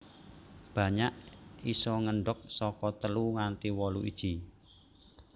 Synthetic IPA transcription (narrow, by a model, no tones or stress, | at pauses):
b̥ä̤ɲaʔisɔŋəɳɖɔk̚sɔkɔt̪əluŋant̪iwɔluʔḭd̥ʒ̥i